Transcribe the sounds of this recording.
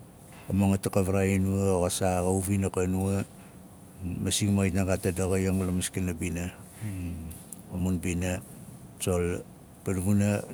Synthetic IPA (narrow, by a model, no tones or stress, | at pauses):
amaŋatakaβaɾainuaɣasaɣauβinakanua | masiŋmajtnaɡatadaɣajoŋulamaskinabina | omunbina | t͡ʃol | panβuna